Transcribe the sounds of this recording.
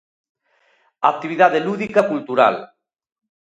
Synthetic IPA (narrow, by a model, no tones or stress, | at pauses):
ak̚t̪iβiðaðeluðikakult̪uɾa̰l